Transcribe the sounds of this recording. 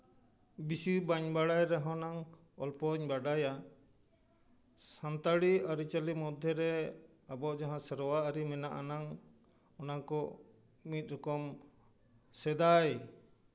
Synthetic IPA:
bisibaɲbaɽajɾɛɦɔ̃naŋ | ɔlpɔɲbaɖaja | sant̪aɽiaɾit͡ʃalimɔd̪ʱjɔɾɛ | abɔʔd͡ʒaɦãsəɾɔwaaɾimɛnaʔanaŋ | ɔnakɔ | mit̪̚ˀɾɔkɔm | sɛd̪aj

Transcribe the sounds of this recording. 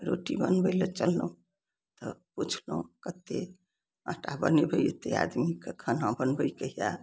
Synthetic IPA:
ɾoʈibənbəlet͡ʃəlːə̃ | t̪ɔput͡ʃʰloũkət̪e | ə̰̃ʈabənebʱəjet̪ea̰d̪mikekʰənɦãbənbəjkəɦija

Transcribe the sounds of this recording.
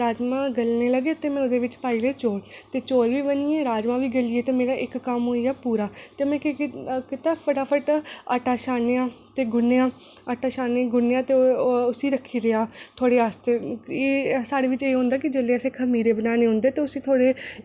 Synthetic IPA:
ɾaːd͡ʒmãːɡəlneːləɡeːt̪eːmɛ̃ːʊd̪eːʋɪt͡ʃpaːiːleːt͡ʃoːlt̪eːt͡ʃoːlʋiːbənieːɾaːd͡ʒmãːʋiːɡəlieːt̪eːmeːɾaːʔɪkːəmɦoːiaːpuːɾaːt̪eːmɛ̃ːkkɪt̪aːpʰəʈaːpʰəʈəʈaːʃaːnejaː | t̪eːɡʊnːejãː | əʈaːʃaːneːɡʊnːejãːt̪eːʊsiːɾəkʰːiːɾəaːt̪ʰoːɽeːaːst̪eːeːsaːɽeːʋɪt͡ʃeːɦʊ̃ːnd̪aːkɪd͡ʒeːleːəsẽːkʰəmiːɾeːbənaːneːɦʊ̃nd̪eːt̪eːʊsiːt̪ʰoːɽeː

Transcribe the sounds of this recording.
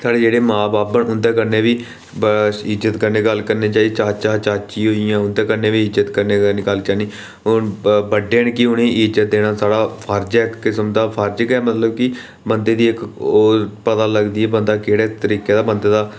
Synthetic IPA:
sʰaːɽeːd͡ʒeːɽeːmãːbaːpːəɳʊ̃nd̪eːkəɾneːʋiː | ɪzət̪kəɾneːɡəlkəɾneːt͡ʃaːit͡ʃaːt͡ʃaːt͡ʃaːt͡ʃiːɦoːijãːʊnd̪eːkəɾnẽːʋiːɪzət̪kəɾneːəɡəlt͡ʃaːniː | ʊnbəɖːeːnkiʊñĩːɪzət̪̚d̪eːɽ̃aːsaːɽaːpʰəɾd͡ʒɛkːɪsəmd̪aːpʰəɾd͡ʒəkɛːmət̪ləb̚kɪ | bənd̪eːd̪iːɪkoːpət̪aːləɡd̪iːɛːbənd̪aːkeːɽaːt̪əɾiːkeːd̪aːbənd̪eːd̪aː

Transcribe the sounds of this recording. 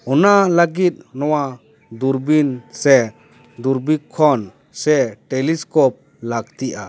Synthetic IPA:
ɔnalaɡit̪̚nɔwa | d̪uɾbinsɛ | d̪uɾbikʰːɔn | sɛʈeliskɔp̚ | laɡt̪iʔa̰

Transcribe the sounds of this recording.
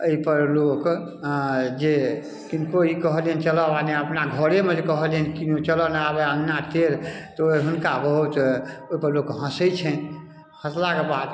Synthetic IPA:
əipəɾlok | d͡ʒe | kinkoikəɦlənt͡ʃələaneəpnaɡʱəɽemẽd͡ʒekəɦələnkinot͡ʃələnabeənːat̪eɾt̪ɔoiɦunkabəɦut̪oipəɾlokɦə̃səjt͡ʃʰɛ | hə̃slakebad̪

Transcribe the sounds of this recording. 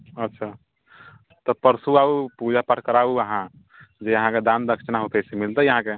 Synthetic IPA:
ətːʃʰa | t̪ɔpəɾsuaupud͡ʒapəʈkəɾauəɦã | d͡ʒeəɦãked̪and̪əkt͡ʃnaɦot̪ɛsemilt̪ɛjəɦãke

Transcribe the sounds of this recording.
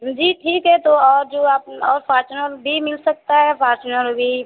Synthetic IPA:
d͡ʒiːʈʰiːkɦɛt̪oɔːɾd͡ʒoːaːp̚ɔːɾfʰaːɾt͡ʃənəɾbʱimɪlsɐk̚t̪aɦɛpʰaːɾt͡ʃnə̃ɾbʱi

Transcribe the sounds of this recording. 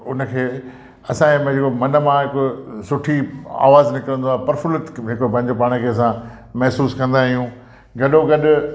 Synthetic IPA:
ʊnə̆kʰeː | ɐsãem̃d͡ʑeːkomɐnə̆mãɦɪkosʊʈʰia̰ːʋaːznɪkəɾə̃nd̪oaːɦpɐɾfʊlət̪ɦekop̬ɐ̃ɦɪ̃ɲd͡ʑopaːɽ̃əkʰeːɐs̬ã | mɛɦsuːskɐ̃nd̪aːɦijũ | ɡɐɗoɡɐɗʊ

